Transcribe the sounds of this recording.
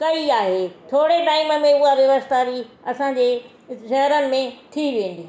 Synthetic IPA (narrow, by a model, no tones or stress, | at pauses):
kɐiaːɦeːt̪ʰoːɽeʈaːɪmə̆mẽʊɦaʋjɐʋəst̪aːɾiɐsãɲd͡ʑeː | ʃɐɦɾənɪ̆mẽt̪ʰiʋiẽːn̆d̪i